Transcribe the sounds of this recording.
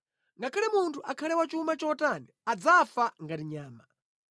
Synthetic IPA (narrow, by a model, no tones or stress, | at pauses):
ŋɡakʰalɛmuntʰuʔakʰalɛwat͡ʃumat͡ʃɔtaniad͡zafaŋɡatiɲaːma